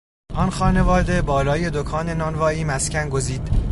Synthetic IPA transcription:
ʔɒnxɒːne̞vɒːd̪ebɒːlɒːje̞d̪okʰɒːne̞nɒnvɒːiːmæscænɡo̞ziːd̪̥

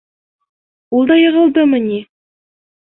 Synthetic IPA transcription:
ulˠd̪ɑjɤ̆ʁɤ̆lˠd̪ɤmɤni

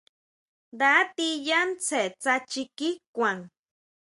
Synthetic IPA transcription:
d̪at̪ijant͡sʰet͡sat͡ʃikikʷaŋ

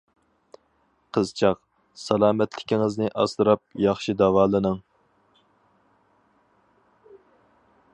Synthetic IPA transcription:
qʰəzt͡ʃʰɑq | sɑlˠɑːmɛt̪lɪ̥kʲiŋɨznɨʔɑslɨɾɑp̚jɑχʃid̪ɑwɑːlˠɨnɨŋ

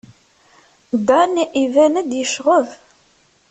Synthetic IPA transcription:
d̪æniʔivænəd̪jəʃʁəð

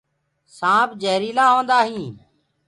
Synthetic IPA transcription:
sãːpd͡ʒeːɾiːlãːɦõːnd̪aːɦĩː

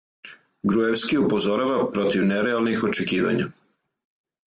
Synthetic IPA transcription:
ɡɾueʋskiupo̞zo̞ɾaʋapɾo̞t̪iʋneɾealˠnixo̞t͡ʃekiːʋa̰ɲa̰

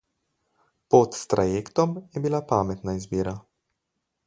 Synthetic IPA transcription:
pɔt̪st̪ɾajeːkt̪ɔmjɛbilapaːmɛt̪naizbiːɾa

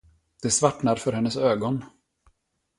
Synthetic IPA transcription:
d̪̥ɛsvaʈnaɾfœɾhɛnːəsøːɡɔn

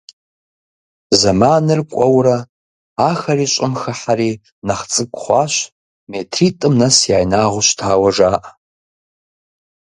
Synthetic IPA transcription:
zamanɨrkʷʼawɾa | axɐriɕʷʼamxaħari | naχt͡sʼɨkʷʼχʷaʃʷ | metʰritʼɨmnasjaːjnaʁʷʊʃʷtʰaːwɐʐaːʔa

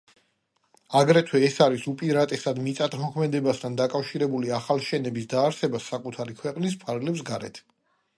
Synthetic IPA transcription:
aɡɾɛt̪ʰwɛːsaɾisupʼiɾat̪ʼɛsad̪mit̪sʼat̪ʰmɔkʰmɛd̪ɛbast̪ʰand̪akʼafʃiɾɛbuliaχalˠʃɛnɛbisd̪aːɾsɛbasakʼut̪ʰaɾikʰwɛqʼnispʰaɾɡlɛps̬ɡaɾɛ̰t̪ʰ

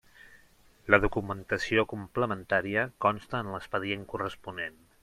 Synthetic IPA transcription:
ləðukumənt̪əsiokumpləmənt̪aɾiəkɔnst̪əːnləspəðieŋkurəspunen

